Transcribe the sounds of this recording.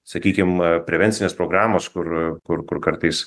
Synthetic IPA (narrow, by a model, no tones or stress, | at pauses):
sɐkʲiːkʲɪmpʲɾʲɛʋʲɛnʲt̪sʲɪnʲeːspɾoːɡɾɑːmoːskʊɾkʊɾkʊrkɐɾt̪ɐɪs